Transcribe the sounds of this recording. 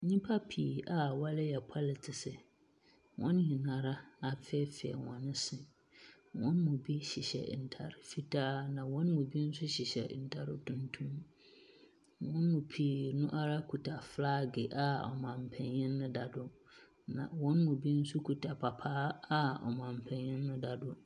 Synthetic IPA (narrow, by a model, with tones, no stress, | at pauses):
ɲĩ˦pʰa˦pʰi˨a˨wa˦lɪ˦jɛ˨pʰa˦lɪ˨tʰɪ˨sɪ˨ | wʔɔ̰̃˦n˦ɲɪ̃˨nã˨ɾa˦a˨fɛ˦fɪ˨ɛ̰˨wɔ̃˨nɪ̃˦sɪ˦ | wɔ̰̃˦nmʊ̃˨bi˦ɕi˨ɕɛ̰˨n̩˨tʰa̰˨ɾɪ˨fi˦tʰaː˦nã˨wɔ̃˦nmũ˨bi˦n̩˦sʊ˦ɕi˨ɕɛ̰˨n̩˨tʰa˨ɾɪ̰˦tʰũ˦ntʰũ˦m | wɔ̃˦nmʊ̃˨pʰi˨nʊ̃˦ʔa˦ɾa˦kʰu˨tʰa˨flaː˦ɡɪ˨ʔa˨ɔ̰˨mã˨m˨pʰɛ̃˨njɪ̃˦nːʊ̃˦da˨dʊ˨ | nã̰˨wɔ̃˦n˦mʊ̃˨bi˦n̩˦sʊ˦kʰu˨tʰa˨pʰa˨pʰaː˦a˦ɔ̰˨mã˨m˨pʰɛ̃˨nɲɪ̃˦nː˦ʊ̃˦da˨dʊ˨